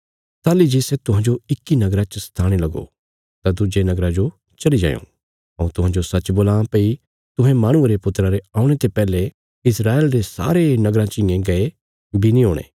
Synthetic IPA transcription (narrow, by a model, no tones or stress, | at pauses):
t̪aːlid͡ʒiset̪ʊɦãd͡ʒoɪkːinɐɡɾat͡ʃəst̪ʰaːɽ̃elɐɡo̰ | t̪ad̪ud͡ʒenɐɡɾãd͡ʒo | t͡ʃɐɽid͡ʒã̰ːjõ̰ | ɐũt̪ʊ̃ɦãːd͡ʒosɐt͡ʃboːlãːpei | t̪ʊ̃ɦẽmaːɽ̃ʊ̃eɾepʊt̪ɾaɾeaːʊ̃ɽ̃et̪epɛːle | ɪsɾaːelɾesa̰ːɾenɐɡɾãt͡ʃɪ̃ẽɡɐe | binĩɦoːɽ̃ḛː